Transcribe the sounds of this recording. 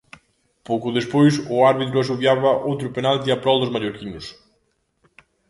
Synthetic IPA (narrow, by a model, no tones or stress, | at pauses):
powkʊðespojsʊaɾβit̪̬ɾʊas̬uβjaβɐʔowt̪ɾʊpenalt̪eapɾɔld̪ʊzmaʎoɾkiɲʊs